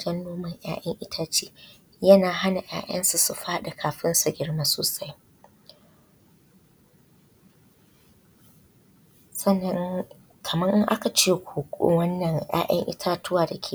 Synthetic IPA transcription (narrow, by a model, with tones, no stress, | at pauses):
d͡ʒɐ˦nːoː˦mɐ˨ŋj̰a̰ː˦jʔɐ̰˦ŋʔɪ˦tʰaː˦t͡ʃiː˦ | jɐ˦naː˨ɦa˦na˨ʔj̰a̰ː˦jɐ̰˦nsu˨su˨ɸaː˦ɗa˨kʰaː˨ɸɪ˦nsu˨ɡʲɪ˦ɽmaː˦soː˨sa˦j | sɐ˦˨nːɐ˦ŋ | kʰɐ˨mɐ˦ŋʔɪ˦ŋʔa˦ka˨t͡ʃeː˦kʷʰoː˨kʷʼo̰˦wɐ˦nːɐ˨ŋj̰a̰ː˦ʔɐ̰˦ŋʔɪ̰˦tʰaː˦tʊ˦waː˨da˨kʲʰe˦˨